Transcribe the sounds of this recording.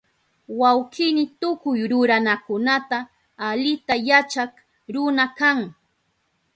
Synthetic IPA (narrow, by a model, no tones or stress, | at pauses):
wawkɪnɪt̪ʊkʊjɾʊɾanakʊnat̪aː | ʎɪt̪ajat͡ʃak | ɾʊnakaŋ